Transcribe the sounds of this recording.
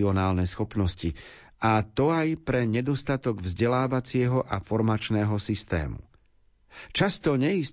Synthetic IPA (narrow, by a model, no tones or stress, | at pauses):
iɔnaːlnɛsxɔpnɔsci | at̪ɔajpɾɛɲɛd̪ɔst̪at̪ɔɡvzɟɛlaːʋat͡sɪɛɦɔʔafɔɾmat͡ʃnɛːɦɔsist̪ɛ̰ːmṵ | t͡ʃast̪ɔɲɛjis